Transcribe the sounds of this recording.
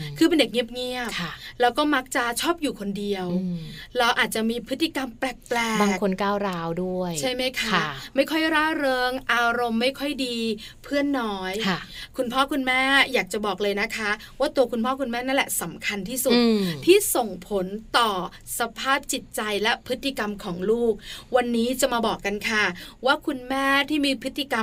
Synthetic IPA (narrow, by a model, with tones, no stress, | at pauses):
kʰɯː˧p̬e˧nde˨˩k̚ŋi˥˩əp̚ŋi˥˩əpʰa˥˩lɛː˦˥wkɔː˥˩ma˦˥k̚t͡ɕa˨˩t͡ɕʰɔː˥˩p̚juː˨˩kʰo˧ndi˧əwɾa˧wʔaː˨˩t̪̚t͡ɕa˨˩miː˧pʰɯ˦˥t̪ʰːi˧˨˩ka˧mpɾɛː˨˩k̚plɛː˨˩baː˧kʰo˧nkaː˥˩wɾaː˦˧˥wdu˥˩əjt͡ɕʰa˥˩jma˦˥jkʰa˥˩ma˥˩jkʰɔ˥˩jɾaː˦˥˩ɾɤː˧ŋʔaː˧ɾo˧mːa˥˩jkʰɔ˥˩jdiː˧ | pʰɯ˥˩ənːɔː˦˥jʰkʰu˧npʰɔː˥˩kʰu˧nmɛː˥˩jaː˨˩k̚t͡ɕa˨˩bɔː˨˩k̚lɤː˧jna˦˥kʰa˦˥ | waː˥˩t̪u˧ɐkʰu˧npʰɔː˥˩kʰu˧nmɛː˥˩na˥˩nlɛ˨˩sa˩˦mkʰa˧nt̪ʰiː˥˩su˨˩t̪̚t̪ʰiː˥˩so˨˩ŋpʰo˨˩˦nt̪ɔː˨˩ | sa˧pʰaː˥˩p̚t͡ɕi˨˩t̪̚t͡ɕa˧jlɛ˦˥pʰɯ˦˥t̪ːi˧˩ka˧mkʰɔː˩˦ŋluː˥˩k̚wa˧nːiː˦˥t͡ɕa˨˩maː˧bɔː˨˩kːa˧nkʰa˥˩waː˥˩kʰu˧nmɛː˥˩t̪ʰiː˥˩miː˧pʰɯ˦˥t̪ʰːi˧˨ka˧m